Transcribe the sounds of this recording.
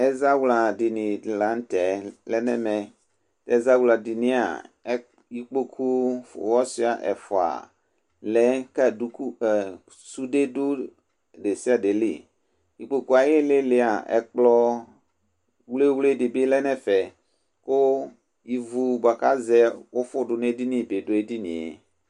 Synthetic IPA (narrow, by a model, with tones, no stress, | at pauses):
ɛ˦za˦wla˨di˨nĩ˨la˨˦n̩˦tɛ˨lɛ˦nɛ˦mɛ˨ | tɛ˨˦za˦wla˨di˨nĩ˦a̰˨˦ | ji˨k͡po˦kʰu˦fwɔ˦si˦a˨ʔɛ̰˨fɔ˨a̰˨ | lɛ˨˦kɛ˦du˦ku˦˨ | su˦de˦du˦ | de˨si˦a˨de˨lḭ˦ | ji˨k͡po˦ku˦a˨je˦le˦lɪ˦a˨ɛ̰˨k͡plɔ˦ | wle˦wle˦dɪ˨be˦lɛ˦nɛ̃˦fɛ˨ | kʊ˦ | ji˦vu˦ba˨ka˦zɛ˦wo˦fʊ˦ɖʊ˨ne˦di˦nĩ˦˨be˨do˦e˦di˦nḭ̃˨ḛ˨